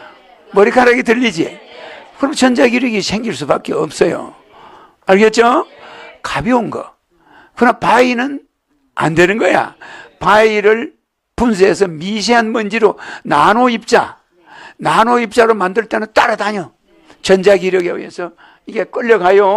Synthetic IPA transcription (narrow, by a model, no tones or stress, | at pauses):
mʌɾikʰaɾaɡetɯʎːid͡ʑḭkɯɾʌmt͡ɕʌnd͡ʑaɡiɾjʌɡisʰe̞ŋɡiɭs͈ubak͈eʌp̚s͈ʌjo̰ | aɾɡe̞t͡ɕ͈o | kabionɡʌ̰ | kɯɾmpainɯn | a̰nde̞nɯnɡʌja̰paiɾɯɭ | puns̬ʰees̬ʰʌmiɕ̬ʰeɦanmɯnd͡ʑiɾonanoip̚t͡ɕ͈a̰ | nanoip̚t͡ɕ͈aɾomandɯɭt͈enɯnt͈aɾadaɲo | t͡ɕʌnd͡ʑaɡiɾjʌɡeṵḛsʰʌ | iɡe̞k͈ʌʎːʌkajo